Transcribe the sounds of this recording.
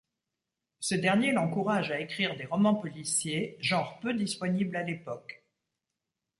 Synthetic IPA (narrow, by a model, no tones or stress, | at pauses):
səd̪ɛʁnjelɑ̃kuʁaʒaekχiʁd̪eʁɔmɑ̃pɔlisjeʒɑ̃ʁpød̪ispɔniblalepɔk